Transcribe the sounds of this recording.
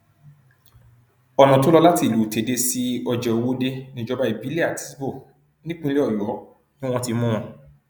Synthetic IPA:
ɔ˨nã˨to˦lɔ˧la˦ti˦˨lu˨te˨˦de˧si˦ɔ˧d͡ʒɛ˨o˨wo˦de˧nĩ˨˦d͡ʒɔ˧ba˧˦i˨bi˦le˦a˨ti˦sbo˦˨ | nĩ˦k͡pũ˦le˦ɔ˦˨jɔ˨˦ | nĩ˦w̃ɔ̃˧ti˧mũ˦ɔ̃˧

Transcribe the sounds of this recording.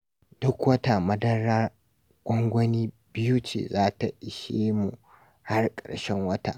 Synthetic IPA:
d̥ʊ˦kwɐ˦ta˨mɐ˦dɐ˦ɾaː˦ | ɡ̥ʷʼɔ˦ŋɡʷɐ˦niː˦ | bɪ˦ju˦t͡ʃḛː˨zaː˦ta˨ʔɪ˨ʃeː˦mu˨ | ha˦rkʼɐ̰˨ɽʃɛ˦ŋwɐ˦ta̰˨ʔ

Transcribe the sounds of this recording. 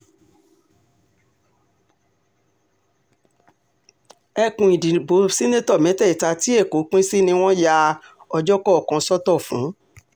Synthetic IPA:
ɛ˧kũ˨i˨di˨bo˨˦si˦nẽ˦tɔ˦˨mɛ̃˨˦tɛ˦˨i˨ta˧ti˨˦e˦˨ko˨˦k͡pĩ˦si˦nĩ˧w̃ɔ̃˦ja˧ | ɔ˧d͡ʒɔ˦kɔ˦ɔ˨kɔ̃˧sɔ˦tɔ˦˨fṵ̃˨˦

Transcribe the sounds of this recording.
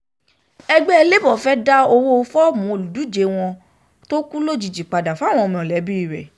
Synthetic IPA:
ɛ˧ɡ͡bɛ˦ɛ˧le˦bɔ˦˨fɛ˦da˦o˧wo˦o˧fɔ˦˨mũ˨˦o˨lu˨du˨˦˨d͡ʒe˨˧w̃ɔ̃˧ | to˦kũ˦lo˦d͡ʒi˨d͡ʒi˨k͡pa˨da˨fa˦˨w̃ɔ̃˧mĩ˧˨ɔ˨lɛ˨˦bi˦i˦˨ɾɛ̰˨

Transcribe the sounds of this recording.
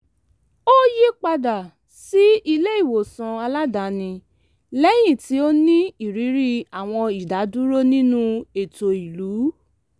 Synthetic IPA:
o˦ji˦k͡pa˧da˨ | si˦i˧le˦i˦˨wo˨sã˨a˧la˦da˨˦nĩ˧ | lɛ˦j̃ĩ˦˨ti˨˦o˦nĩ˦i˨ɾi˨˦ɾi˦a˨w̃ɔ̃˧i˨da˨˦du˦ɾo˦nĩ˦nũ˦e˨to˨i˨lu˨˦

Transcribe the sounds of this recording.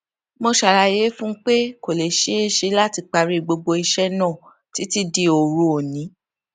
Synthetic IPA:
mõ˧ʃa˨ɾa˧je˨˦fũ˦k͡pe˦ko˨le˨ʃe˨˦e˦ʃe˧la˦ti˧k͡pa˧ɾi˧ɡ͡bo˧ɡ͡bo˧i˧ʃɛ˦nã˦˨ | ti˨˦ti˦di˧o˨ɾũ˨˦o˨nĩ˨˦

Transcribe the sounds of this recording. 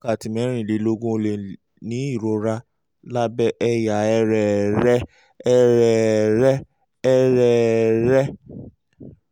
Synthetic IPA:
ka˦˨ti˨mɛ̃˨˦ɾ̃ĩ˦˨le˨˦lo˦ɡũ˦o˧le˨ | nĩ˨˦i˦˨ɾo˨˦ɾa˦ | la˦bɛ˦ʔɛ˦ja˨ɛ˧ɾɛ˨ɾɛ˦ | ɛ˦˧ɾɛ˨ɾɛ˦ | ɛ˦ɾɛ˦˨ɾɛ˦

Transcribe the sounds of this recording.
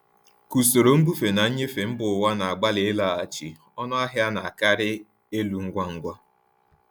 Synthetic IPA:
ku˨so˨ɾo˨ŋ̩˦ɡ͡bu˦fe˨na˨ɲ̩˦ɲe˦fe˨m̩˦bʊ˨wa˦na˨a˨ɡ͡ba˦lɪ˦ɪ˦la˦˨a˨t͡ʃḭ˨ | ɔ˦nɔ˦a˦ɦja˦na˨a˨ka˦ɾɪ˦ | e˦lu˨ŋ̩˦ɡʷa˦ŋ̩˦ɡʷa˦

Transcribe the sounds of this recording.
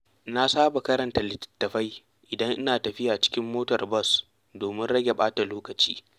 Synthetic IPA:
na˦saː˦ba˨kɐ˦ɾɐ˨nta˨lɪ˨tːɐ̥˨tːɐ˨ɸa˦j | ʔɪ˨dɐ˦ŋʔɪ˦naː˨tɐ˨ɸɪ˦jaː˨t͡ʃɪ̥˦kʲɪ˦mːoː˦tɐ˨rbɐ˦˨s | doː˨mɪ˦nɽɐ˦ɡʲe˨ɓaː˦ta˨loː˦kɐ˨t͡ʃḭː˦

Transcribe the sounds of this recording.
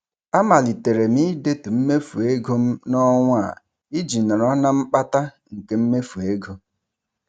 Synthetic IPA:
a˦ma˨li˨te˨ɾe˨mi˦de˦tu˨m̩˦me˦fu˨e˦ɡo˦m̩˦nɔ˦ŋʷ˦a̰˨ | i˦d͡ʒi˨nɔ˨ɾɔ˦na˦m̩˦k͡pa˦ta˦ | ŋ̩˨ke˦m̩˦me˦fu˨e˦ɡo˦

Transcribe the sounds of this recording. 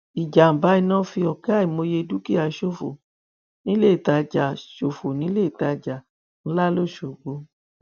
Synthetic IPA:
i˨d͡ʒa˨m̩˨ba˨˦i˧nãː˦fi˧ɔ˨ka˦i˨mo˧je˧du˦ki˦a˨˦ʃo˦˨fo̰˨ | nĩ˦le˦i˦˨ta˧d͡ʒa˨ʃo˨fo˨nĩ˨˦le˦i˨ta˧d͡ʒa˨ | n̩˦la˦lo˦˨ʃo˨ɡ͡bo˨˦

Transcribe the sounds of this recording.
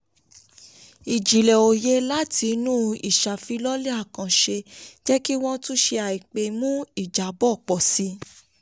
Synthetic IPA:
i˨d͡ʒi˨lɛ˨o˨je˦la˦ti˧nũ˦ḭ˨ʃa˨fi˧lɔ˦lɛ˦a˦˨kã˨ʃe˧d͡ʒɛ˦ki˦w̃ɔ̃˦tũ˦ʃe˧a˨i˨k͡pe˧mũ˦i˦˨d͡ʒa˨bɔ˦˨k͡pɔ˨si˧˦

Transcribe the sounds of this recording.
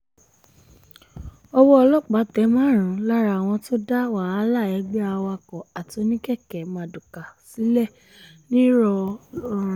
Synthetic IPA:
ɔ˧wɔ˦ɔ˧lɔ˦˨k͡pa˨˦tɛ˨˦mãː˦˨ɾ̃ũ˨˦la˦ɾa˨w̃ɔ̃˧to˦da˦wa˨a˦la˦˨ɛ˨˧˦ɡ͡bɛ˦a˧wa˧kɔ˨a˨to˧˦nĩ˦kɛ˦˨kɛ˨mã˨du˨ka˨si˨˦lɛ˦˨ | nĩ˦ɾɔ˧˦ɾ̃

